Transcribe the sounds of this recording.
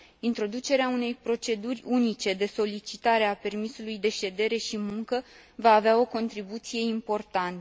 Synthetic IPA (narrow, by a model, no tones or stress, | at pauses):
int̪ɾo̞d̪ut͡ʃe̞ɾeaune̞jpɾo̞t͡ʃe̞d̪urʲunit͡ʃe̞d̪e̞so̞lit͡ʃit̪aɾe̞ape̞rmisulujd̪e̞ʃe̞d̪e̞ɾe̞ʃimuŋkə | vaːveao̞ko̞nt̪ɾibut̪sije̞impo̞rt̪ant̪ə